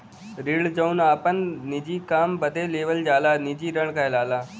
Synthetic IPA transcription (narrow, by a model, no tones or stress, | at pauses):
ɾɪɭd͡ʒəunaːpənːɪd͡ʒiːkaːmbəd̪ʱeːleːʋəld͡ʒaːlaːnɪd͡ʒiːɾəɳ̃kaːelaːlaː